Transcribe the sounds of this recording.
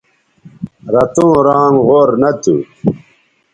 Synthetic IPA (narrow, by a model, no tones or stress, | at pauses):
ɾɐt̪õːɾãːŋʁoːɾnɐt̪ṵ